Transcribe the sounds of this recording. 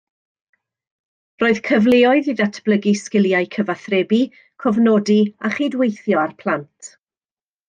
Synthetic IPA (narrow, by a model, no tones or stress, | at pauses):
roːɨð̥kʰəvleːɔɨðiðatʰb̥lˠəɡiskɪlˠjaɨkʰəvaθrɛbi | kʰɔvnɔdiaχidwejθjɔarpʰl̥ˠantʰ